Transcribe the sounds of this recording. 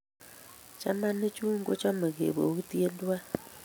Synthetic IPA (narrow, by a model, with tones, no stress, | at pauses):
t͡ʃa˦ma˦ne˦t͡ʃu˦ŋɡo˦t͡ʃa˦ma˨ɣḛ˨βo˨ɣu˦ti˦e˦ndwa˦